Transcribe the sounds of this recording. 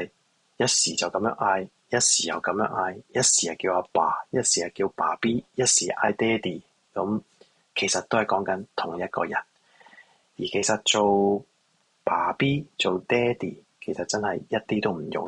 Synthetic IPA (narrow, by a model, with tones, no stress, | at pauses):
jɐ˥t̚siː˨t͡sɐ˨wkɐ˨˥mjœ̰ː˧˥ŋʔaː˧j | jɐ˥t̚siː˨˩jɐ̰˨˩wkɐ˨˧˥mjœː˥ŋʔaː˧jjɐ˥t̚siː˨˩jɐ˨kiː˧waː˧paː˨˩jɐ˥t̚siː˨˩jɐ˨˩kiː˧wpaː˨˩piː˥jɐ˥t̚siː˨˩ʔa̰ː˧jt̪ɛː˥t̪iː˨ | kɐ˨˧˥m | kʰe˨˩jsɐ˨t̪̚o˥whɐ˨jkɔː˨˥ŋkɐ˨˥nt̪ʰʊ˨˩ŋjɐ˥t̚kɔ̰ː˧jɐ˨˩n | jiː˨˩kʰe˨˩jsɐ˨t̚t͡so˨w | paː˨˩piː˥t͡so˨wt̪ɛː˥t̪iː˨˩ | kʰe˨˩jsɐ˨t̚t͡sɐ˥nhɐ˨jjɐ˥t̚t̪iː˥t̪o˥wm̩˨˩jʊ̰˨ŋ